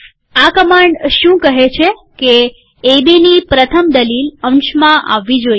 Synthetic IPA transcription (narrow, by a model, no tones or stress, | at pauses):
akəmaɳɖʃũkəɦet͡ʃʰekeː | binipɾət̪ʰəmd̪əlilə̃mʃmãʔa̰ʋːid͡ʒoj